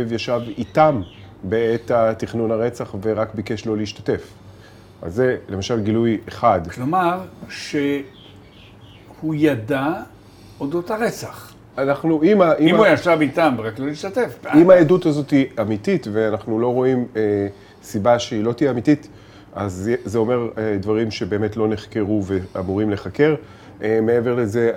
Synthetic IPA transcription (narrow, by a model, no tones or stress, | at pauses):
vjaʃavit̪am | beet̪at̪iχnunaʁe̞t͡saχve̞ʁakbike̞ʃlo̞leiʃtḁte̞f | a̰zːe̞lemaʃalɡilujeχadklomaʁʃe | hujada | od̪ot̪aʁet͡saχ | anaχnuʔimaʔiimmujaʃabit̪ambʁakloliʃt̪at̪efimaedut̪azo̞tiamit̪it̪ve̞anaχnulo̞ʁo̞ime | sibaʃeilo̞t̪iamitit̪ | azzeo̞me̞ʁed̪vaʁimʃe̞be̞ːme̞tlo̞ne̞χke̞ʁuveamuʁimle̞χake̞ʁ | mee̞ve̞ʁle̞ze̞